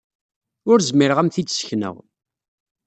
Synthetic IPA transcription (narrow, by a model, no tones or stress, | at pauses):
ʊɾzmiɾəʁæmθit͡sːsçnə̰ʁ